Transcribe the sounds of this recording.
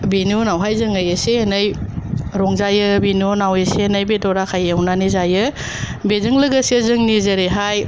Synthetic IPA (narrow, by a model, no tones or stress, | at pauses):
benonawɦajzɯŋɯjeseenɯjɾɔŋzajɯbinonawesenajbedɔɾakʰajewnanizajɯ | bezɯŋlɯɡəsiezɯŋnizɐɾeɦaj